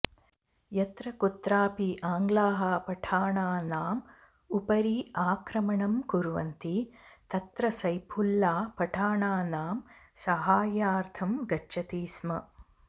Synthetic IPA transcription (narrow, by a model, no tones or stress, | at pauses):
jɐt̪ɾɐkut̪ɾaːpiʔaːŋɡlaːɦapɐʈʰaːɳaːnaːm | upɐɾiaːkɾɐmɐɳɐmkuɾʋɐ̰nt̪it̪ɐt̪ɾɐsɐjpʰulːaːpɐʈʰaːɳaːnaːmsɐɦaːjaːɾt̪ʰɐmɡɐːt͡ʃːɐt̪iːsmɐ